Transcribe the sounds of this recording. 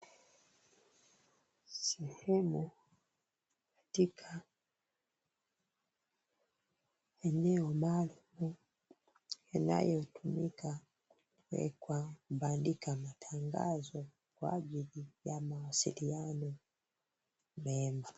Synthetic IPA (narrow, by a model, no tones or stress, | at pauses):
sɛhɛmu | kḁtikʰa | ɛnɛɔmalumu | ana̰jɔtumika | u | wɛ̰kwakuɓandikamatʰaŋɡa̰zɔ | kwa̰ʄilijamawasḭlianɔ | mɛma